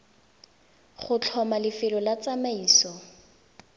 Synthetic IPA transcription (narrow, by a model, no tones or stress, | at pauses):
χʊt͡ɬʰɔmalɪfɪlɔlat͡samaiːsɔ